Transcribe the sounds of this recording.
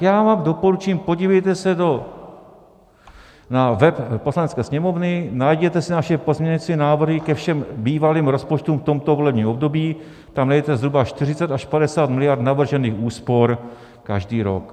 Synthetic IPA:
jaːvaːmdo̞po̞ɾut͡ʃɛːmpo̞ɟiːvɛjt̪ɛsɛdo | navɛppo̞slanɛt͡skɛːsɲɛmo̞vnɪnajɟɛt̪ɛsɪnaʃɛpo̞zmɲɛɲɪt͡sɪnaːvr̩ɦɪkɛfʃɛmbiːvaliːmɾo̞spot͡ʃt̪umft̪o̞mt̪ovo̞lɛbɲiːmo̞bdo̞biː | t̪amnɛjɛt̪ɛzɦɾubaʃt̪ɪrɪt͡sɛt̪aʃpadɛsaːt̪mɪlɪjaɾt̪navr̩ʒɛniːxuːspo̞ɾ | kaʒdiːɾo̰k

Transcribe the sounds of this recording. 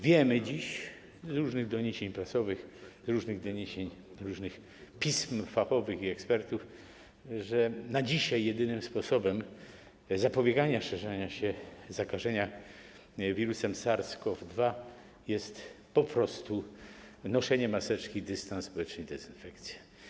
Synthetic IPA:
vʲjɛmɘd͡ʑiɕ | zɾuʐnɘɣd̪ɔɲeɕeɲpɾasɔvɘxzɾuʐnɘɣd̪ɔɲeɕeɲ | ɾuʐnɘx | pʲismfaxɔvɘxiɛkspɛɾt̪uf | ʐɛnad͡ʑiɕajːɛd̪ɘnɘmspɔsɔbɛm | zapɔbʲjɛɡaɲaʂɛʐɛɲaɕɛzakaʐɛɲa | vʲiɾusɛmsaɾskɔvd̪va | jɛst̪ | pɔpɾɔst̪u | nɔʂɛɲɛmasɛt͡ʂkʲid̪ɘst̪ansːpɔwɛt͡ʂnəjd̪ɛzɨnfɛkt̪sʲjɛ̥

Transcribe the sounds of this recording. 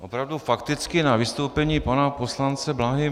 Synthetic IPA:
ʔopɾavdufakt̪ɪt͡skɪnavɪst̪owpɛɲiːpanapo̞slant͡sɛblaɦɪ

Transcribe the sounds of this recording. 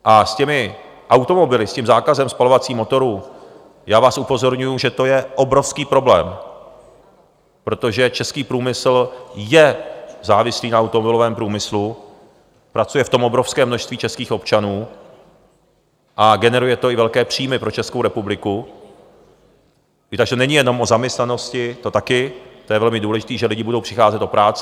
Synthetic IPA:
ʔascɛmɪ | ʔawt̪o̞mo̞bɪlɪscɛmzaːkazɛmspalo̞vat͡siːmo̞t̪o̞ɾuː | jaːvaːsupo̞zo̞ɾɲujuʒɛt̪o̞jɛʔo̞bɾo̞fskiːpɾo̞blɛ̰ːm | pɾo̞t̪o̞ʒɛt͡ʃɛskiːpɾuːmɪsl̩jɛzaːvɪsliːnaawt̪omobɪlovɛːmpɾuːmɪslu | pɾat͡sujɛft̪o̞mʔo̞bɾofskɛːmnoʃst̪viːt͡ʃɛskiːxo̞pt͡ʃanuː | ʔaɡɛnɛɾujɛt̪o̞ɪvɛlkɛːpr̝̥iːmɪpɾo̞t͡ʃɛskowɾɛpublɪku | t̪aɡʒt̪onɛɲɪjɛno̞mʔo̞zamɲɛst̪nano̞scɪt̪o̞t̪akɪt̪ojɛvɛlmɪduːlɛʒɪt̪iːʒɛlɪɟɪbudowpr̥ɪxaːzɛt̪o̞pɾaːt͡s

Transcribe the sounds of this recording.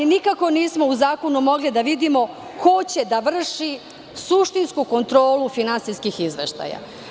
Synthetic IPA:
inikako̞niːsmo̞uzaːko̞numo̞ɡlid̪aʋid̪imo̞ | kʰo̞t͡ɕe̞d̪aʋr̩ʃi | suʃt̪inskuko̞nt̪ɾo̞ːlufinansiskixizʋe̞̰ʃt̪a̰ja̰

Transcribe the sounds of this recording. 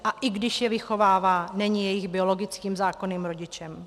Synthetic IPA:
ʔaʔɪɡdɪʃjɛvɪxo̞vaːvaːnɛɲɪjɛjɪɣbɪo̞lo̞ɡɪt͡skiːmzaːko̞niːmɾo̞ɟɪt͡ʃɛm

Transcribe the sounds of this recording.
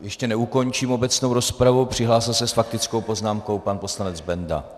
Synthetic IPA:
jɛʃcɛnɛuko̞ɲt͡ʃiːmo̞bɛt͡sno̞wɾo̞spɾavupr̝̥ɪɦlaːsɪlsɛsfak̚t̪ɪt͡sko̞wpo̞znaːmko̞wpanpo̞slanɛd͡zbɛnda̰

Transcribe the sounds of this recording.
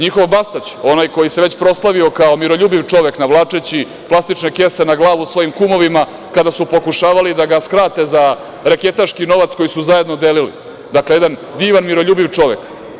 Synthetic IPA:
ɲixo̞ʋbast̪at͡ɕo̞najko̞jise̞ʋet͡ɕpɾo̞slˠaʋio̞kaomiɾo̞ʎuːbiʋt͡ʂo̞ʋe̞knaʋlˠaːt͡ʂet͡ɕi | plˠast̪it͡ʂne̞kese̞naɡlˠaːʋusʋo̞jimkumo̞ʋima | kad̪asupo̞kuʃaːʋalid̪aɡaskɾaːt̪e̞za | ɾeke̞t̪aʃkino̞ʋat̪sko̞jisuzajed̪no̞d̪elilḭ | d̪akleed̪and̪iːʋanmiɾo̞ʎuːbiʋt͡ʂo̞ʋe̞k

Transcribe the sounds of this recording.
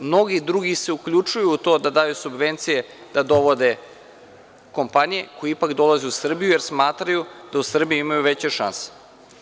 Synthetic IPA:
mno̞ɡid̪ɾuɡise̞ukʎut͡ʃujuːt̪o̞d̪ad̪aːjusubʋe̞nt̪sije | d̪̥ad̪o̞ʋo̞d̪e | ko̞mpanije̞kojiipakd̪o̞lˠazeusr̩bijujeɾsmaːt̪ɾajud̪̥ausr̩bijuimajuʋet͡ɕeʃa̰nse̥

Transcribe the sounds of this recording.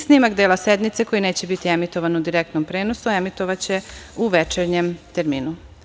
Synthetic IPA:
snimakd̪eːlased̪mit̪se̞ko̞jine̞ːt͡ɕe̞bit̪iemit̪o̞ʋanud̪iɾekt̪nompɾeːno̞suemit̪oʋat͡ɕe̞uʋet͡ʃeɾɲemt̪eɾmiːnu

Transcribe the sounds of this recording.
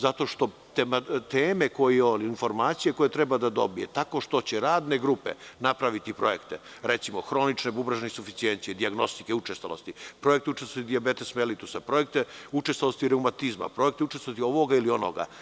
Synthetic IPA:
zat̪o̞ʃt̪o̞ | t̪emat̪eːme̞kojeoliinfo̞ɾmaːt̪sije̞ko̞jet̪ɾɛbad̪ad̪o̞bije̞̰t̪ako̞ʃt̪o̞t͡ɕeɾaːd̪ne̞ɡɾupe̞̰napɾaʋit̪ipɾo̞je̞kt̪e | ɾet̪simo̞xɾo̞nit͡ʃnebubɾaʒnesufit̪sient̪ijed̪iaɡno̞st̪ikeut͡ʃest̪ʋalˠo̞̰st̪ipɾo̞jek̚t̪eut͡ʃest̪at̪id̪iabet̪esmelit̪usapɾo̞jek̚t̪eut͡ʃest̪alost̪iɾewmat̪izma̰pɾo̞je̞kt̪eut͡ʃest̪oat̪io̞ʋo̞ɡailio̞no̰ɡa̰

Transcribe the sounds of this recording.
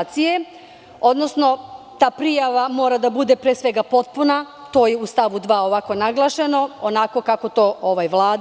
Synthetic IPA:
t̪sije | o̞d̪no̞sno̞t̪aːpɾijaʋamo̞ːɾad̪abud̪e̞pɾesʋe̞ɡapo̞t̪̚puna | t̪o̞ːjeust̪aʋud̪ʋaːoʋako̞naɡlˠaʃe̞no̞onako̞kako̞t̪o̞ːoʋajʋlˠaːd̪

